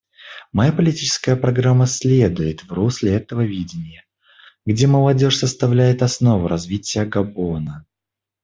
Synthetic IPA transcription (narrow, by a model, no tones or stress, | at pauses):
mɐjapəlʲɪtʲit͡ɕɪ̥skəjəpɾɐɡɾamːəsʲlʲed̪ʊjɪt̪vrusʲlʲɪɛt̪əvəvʲidʲɪnʲɪjə | ɡdʲe̞məlˠɐdʲo̞ʂsəst̪ɐvlʲæjɪt̪ɐsno̞vʊɾɐzvʲitʲɪjəɡɐbo̞nə